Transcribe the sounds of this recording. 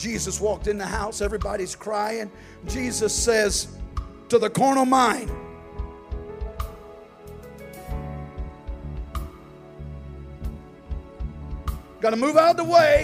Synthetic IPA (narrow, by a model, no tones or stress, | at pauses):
d̥ʒ̥izɨswɔk̚tɨ̃nðɨhaʊsɛvɹibɑɾiz̥kʰɹ̥aɪɪ̃ŋ | d͡ʒizɨsɛz̥tʰəðəkʰɔɹnəmãɪ̃n | ɡɑɾəmuvaʊɾ̚ðəweɪ